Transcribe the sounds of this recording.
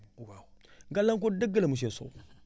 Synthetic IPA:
waŋɡalaŋk̬odəɡələmuʃ̬eso̰

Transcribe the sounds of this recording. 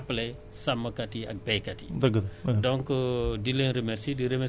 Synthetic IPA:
pːlɛ | sɐmːɐkɐtiɐ̰k̚bɛjkɐtibɐɡɐdɔŋkdilenɾemɛɾsidiɾemɛ

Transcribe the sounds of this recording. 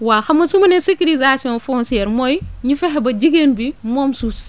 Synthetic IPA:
waxɐmːɐsumɐnɛsekilizasiɔ̃nfɔnsiɛːɾmɔjɲifɛɦɛbɐɟiɡenbimɔmsus

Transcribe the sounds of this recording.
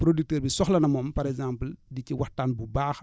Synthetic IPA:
pɾodik̚teːɾbisɔxlɐnɐmɔmpɐɾɛɡzãːmpldiciwaxtːaːnbubaːx

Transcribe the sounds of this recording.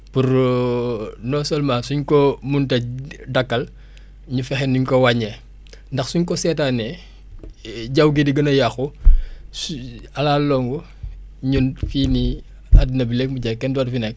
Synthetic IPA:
puɾ | nɔsɔlmãːsuɲkɔmuntɐdɐkːɐl | ɲufɛxɛnuɲkɔwaɲɛ | ndɐxsuɲkɔsɛtaːnɛ | ɟawɡidiɡɐnɐjaxusɐlaːlɔŋɡɔ | ɲunfiːni | adnɐbilɛk̚muɟɐkːɛndadfinɛk̚

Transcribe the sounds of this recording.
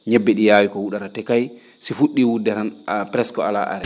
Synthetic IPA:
ɲɛbːɛɗijaːwikɔwuɗaɾatɛkaj | sifuɗːiwudːɛɾanpɾɛskɔala̰ʔa̰ɾɛ

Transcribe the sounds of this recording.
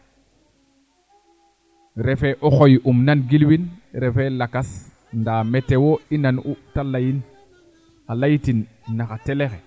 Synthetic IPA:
ɾɛfɛʔɔxojʔumnanɡilwinɾɛfɛlakas | ndaːmɛtːɛwoinanutalajin | alajitinː | axatɛlexɛ

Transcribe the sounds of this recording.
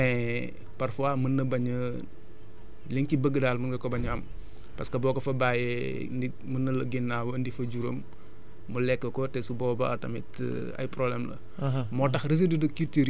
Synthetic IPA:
ɛ | pɐrfuamənːɐbɐɲə | liŋcibəɡːədaːlmɐnɡɐkɔbɐɲɐm | pɐskɐbɔːkɐfɐbaːjɛ | ndi | mənːɐlɐɡinːaːwɐndifɐɟuɾəmː | ulɛkːəkɔtɛsubɔːbɐɐ̰tɐmɛt | ɐ̰jpɾɔblɛmlɐ̰ | mɔːtɐxɾiz̬idudɐkitiɾ

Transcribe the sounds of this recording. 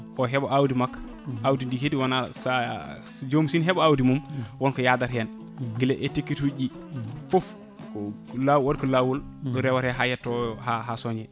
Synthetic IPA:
ʔɔɦɛbɔʔawdimakː | awdindiɦediwanasa | d͡ʒomsinɦɛbɔawdimumwɔnkɔjadaɾhɛn | ɡilɛʔɛtekːituɟi | fof | lawaɾkɔlawul | ɔɾɛwaɾhɛɦajɛtːɔɔhaɦasɔɲɛ

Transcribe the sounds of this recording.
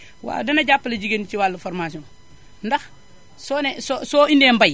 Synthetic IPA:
wa̰dɐnɐɟapːlɐɟiɡent͡ʃiwalːufoɾmas̬iõːn | ndɐx | soːnesosoːindeːmbaj

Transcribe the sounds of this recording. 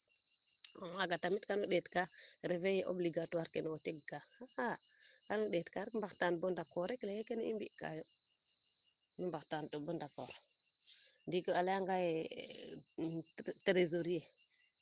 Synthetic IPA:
omaɡatamitkanuɗetkaɾevejeʔo̰bliɡatuaɾkenoteɡɡahaha | kanuɗetkaɾmbaktanbondakoɾeklejekenḭmbiʔka̰jo | numbaktantubondako̰ɾ | ndikəalajaŋɡaje | tɾezoɾije

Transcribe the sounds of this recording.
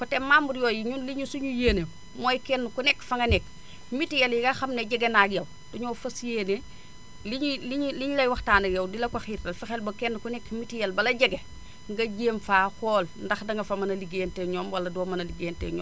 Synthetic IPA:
kɔtemːambuɾjoːjiɲunliɲusuɲujeːne | moːjkenːukunɛkfɐŋɡɐnɛk̚ | mitijɐljiɡaxɐmneɟɐɡenaɡjɐw | duɲoːfɐsjeːne | liɲliɲliɲulɐjwɐxtaːnɐɡjɐwdilɐkɐxiɾtɐlfixelbɐkenːukunɛkmitijɐlbɐlɐɟɐɡe | ŋɡɐɟeːmfaːkɔːlndɐxdɐŋɡɐfɐmɐnɐliɡeːnteɲoːmwɐlɐdoːmɐnɐliɡeːntḛɲɔ̰ːm

